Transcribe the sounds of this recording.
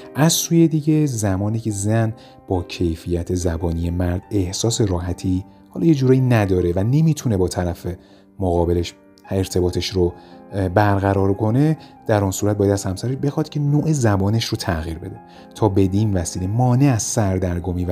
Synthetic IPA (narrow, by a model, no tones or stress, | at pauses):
ʔæzsuːje̞d̪iɟe̞zæmɒːniːcʰe̞zæn | b̥ɒːcʰe̞jfijæt̪ʰezæbɒːnije̞mæɾd̪e̞hsɒːse̞ɾɒːɦæt̪ʰi | hɒːlɒje̞d͡ʒuːɾɒːjinæd̪ɒːɾe̞væne̞miːt̪ʰune̞bɒːt̪ʰæɾæfe | moɣɒːbe̞leʃ | eɾt̪ʰe̞bɒːt̪ʰe̞ʃɾobæɾɣæɾɒːɾkʰo̞ne̞d̪̥æɾɔnsuːɾæt̪̚bɔjæd̪æz̥hæmsæɾeʃbe̞xɒd̪̥̚cʲʰe̞noːʔezæbɒːneʃɾot̪ʰæɣiːɾbe̞d̪e | t̪ʰɒːbe̞d̪iːnvæsiːlemɒːne̞æz̥sæɾd̪æɾɡoːmiː